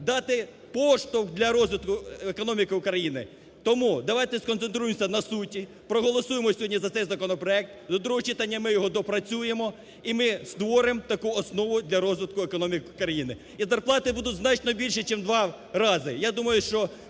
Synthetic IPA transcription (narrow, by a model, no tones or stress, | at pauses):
d̪ɑt̪ɪ | pɔʃt̪ɔwkd̪lʲɐɾɔzʋɪt̪kʊekɔnɔmʲikɪʊkɾɐjinɪ | t̪ɔmud̪ɐʋɑjt̪ɛskɔnt̪sent̪ɾujemsʲɐnɐsutʲi | pɾɔɦɔlˠɔsujemɔsʲɦɔdʲnʲizɐt̪sɛjzɐkɔnɔpɾɔɛk̚t̪d̪ɔd̪ɾɔɔt͡ʃit̪ɐnʲːɐmɪjɔɦɔd̪ɔpɾɐt͡sʲujemɔ | imɪst̪ʋɔɾɪmt̪ɐkuɔsnɔʋʊd̪lʲɐɾɔzʋɪt̪̚kʊekɔnɔmʲikkɾɐjinɪ | izɐrplˠɑt̪ɪbud̪ʊtʲznɑt͡ʃnɔbʲilʲʃɛt͡ʃimd̪ʋɑ | ɾɑzɪjad̪umɐjʊʃt͡ʃɔ